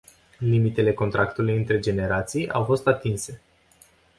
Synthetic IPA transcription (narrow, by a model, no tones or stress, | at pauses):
limit̪e̞le̞kont̪ɾʔakt̪ulujɨnt̪ɾe̞d͡ʒe̞ne̞ɾat̪sijʔa̰wfo̞st̪at̪inse̞